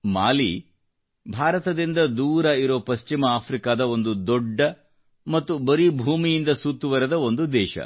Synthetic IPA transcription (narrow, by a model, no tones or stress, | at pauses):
maːli | bʱaːɾɐt̪ɐd̪ind̪ɐd̪uːɾɐiɾoːpɐst͡ʃimɐaːpʰɾikaːd̪ɐo̞nd̪ud̪ɔɖːɐ | mɐt̪ːubɐɾibʱuːmijind̪ɐsuːt̪ːuʋɐɾɐd̪ɐo̞nd̪ud̪ɛːʃɐ̰